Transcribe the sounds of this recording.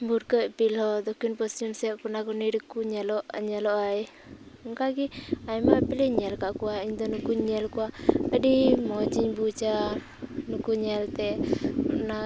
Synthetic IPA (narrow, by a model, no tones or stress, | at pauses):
buɾkəʔ̚pilhɔd̪ɔkinpɔstumsɛʔkunaɡɔniɾkuɲɛlɔʔɲɛlɔʔaj | ɔŋkaɡiajmapɛlɛɲɛlkaʔkuwaiɲd̪ɔnukuɲɛlkuwaəɖimɔd͡ʒiɲbut͡ʃa | nukuɲɛlt̪ɛuna